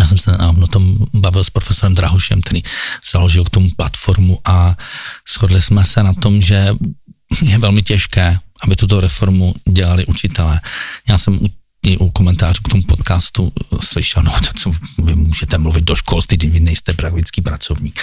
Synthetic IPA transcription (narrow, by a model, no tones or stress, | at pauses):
jaːsɛmsɛnavnot̪ombavɪlspɾofɛsoɾɛmd̪ɾaɦoʃɛ̰mk̚t̪ɛɾiːz̥aloʒɪlkt̪omuplat̪foɾmuʔa | sxodlɪsmɛsɛnat̪omʒɛ | jɛvɛlmɪcɛʃkɛːʔabɪt̪ut̪o̞ɾɛfoɾmuɟɛlalɪʔut͡ʃɪt̪ɛlɛːjaːsɛmu | ɪʔukomɛnt̪aːruːkt̪omupot̪kaːst̪uslɪʃɛlnoot̪ɛ̥t͡sovɪmuːʒɛt̪ɛmluvɪd̪̚doʃkolst̪ɪɡdɪvɪnɛjst̪ɛpɾak̚t̪ɪt͡skiːpɾat͡sovɲiːk